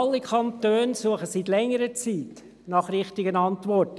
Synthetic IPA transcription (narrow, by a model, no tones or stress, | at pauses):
ɑlːikʰɑnt̪øːnsuəχəsitlɛŋːəɾət͡siːt | nɑχɾɪχtɪɡənɑntʋɔrt